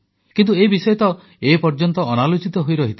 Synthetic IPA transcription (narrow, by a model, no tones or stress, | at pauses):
kint̪ueibisɔjɔt̪ɔ | epɔɾd͡ʒɔnt̪ɔːnalot͡ʃit̪ɔɦojɾɔɦit̪ʰi